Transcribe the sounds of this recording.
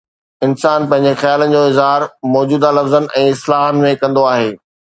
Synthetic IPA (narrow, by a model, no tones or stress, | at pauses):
ɪnsaːnpɐ̃ɦɪ̃ɲ̆d͡ʑexjaːlən̆d͡ʑoːɪzɦaːɾmɔːd͡ʑuːd̪alɐfzənɛ̃ːɪslaːɦənmẽkɐ̃nd̪oaːɦeː